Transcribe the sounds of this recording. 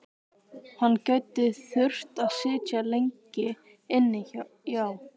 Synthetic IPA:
hanːcœɥt̪ɪθʏr̥t̪aðsɪːcalejɲcɪ | ɪnːɪ | jaw

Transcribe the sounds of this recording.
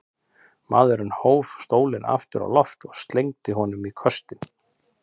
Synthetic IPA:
maːðʏɾʏnhoːwvst̪oːwlɪnʔa̰ft̪ɪɾa̰lɔft̪ɔɣst̪lejŋt̪ɪɦɔnʏmikʰœst̪ɪn

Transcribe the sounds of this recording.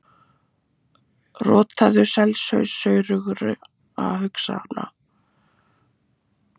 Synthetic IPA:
rɔːt̪ʰaðʏsɛlsœɥsœːɥɾʏɣʏɾʏ | a̰ɦʏksa̰na̰

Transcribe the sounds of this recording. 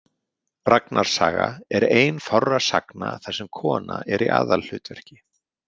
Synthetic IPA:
raknʔaɾ̥saːɣaɛɾeːjnfawrːasaknaθḁsɛmkʰɔːnaʔɛɾiʔaːðallʏːt̪vɛɾ̥cɪ

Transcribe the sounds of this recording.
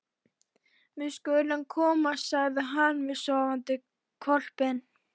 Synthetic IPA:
vɪðskœɥlankʰɔːmasaɣðɪɦanːvɪðsɔːvant̪ɪ | kʰɔl̥pɛn

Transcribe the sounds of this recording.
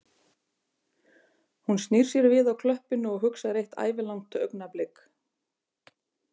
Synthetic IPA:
hunst̪nir̥sjɛɾvɪðawkʰlœhpɪnʏɔɣɦʏksaɾejht̪a̰ːjvɪlawŋt̪œ̰ɥknaplɪk

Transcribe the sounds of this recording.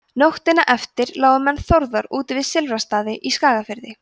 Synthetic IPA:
noxt̪ɪnaʔɛft̪ɪɾlaːwðʏmɛnːθowɾðœɾuːt̪ɪvɪðsɪlvɾast̪aːðɪʔiskaːɣafɪɾðɪ

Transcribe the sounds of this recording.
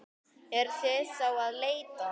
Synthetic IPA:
ɛɾ̥θɛsawaðleːjt̪a

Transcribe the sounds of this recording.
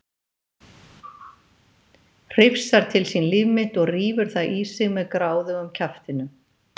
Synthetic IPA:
r̥ɪfsaɾ̥t̪ʰɪlsinlɪvmɪt̪ɔɣriːvʏɾ̥θaðʔisɪɣmɛðkɾaːwðʏʏmcʰaft̪ɪnʏ

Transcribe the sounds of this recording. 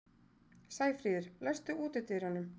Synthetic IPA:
saːjfɾiːðɪɾ̥lɛst̪ʏʔuːt̪ɪt̪ʰɪɾhanːʏm

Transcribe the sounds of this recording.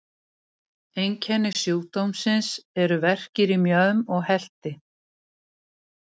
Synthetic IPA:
ejɲcʰɛnːɪsjoːwt̪owmsɪnsɛɾʏvɛr̥cɪɾimjœːðʏmɔɣhɛl̥t̪ɪ

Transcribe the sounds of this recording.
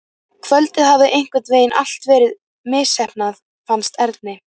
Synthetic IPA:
kʰvœlt̪ɪðɦavðɪʔejŋ̥kvɪt̪veːjɪnʔal̥t̪vɛːɾɪð | mɪːsɛhpnað | fanst̪ɛɾt̪nɪ

